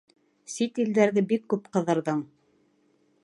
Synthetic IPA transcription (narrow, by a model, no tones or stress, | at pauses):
sit̪ild̪æɾðɘbikːʉpqɤ̆ðɤ̆ɾðɤɴ